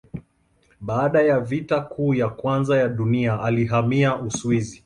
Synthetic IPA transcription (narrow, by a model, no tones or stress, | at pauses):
ɓaːɗajavitakʰuːjakwanzajaɗuniaʔaliɦamiaʔuswizi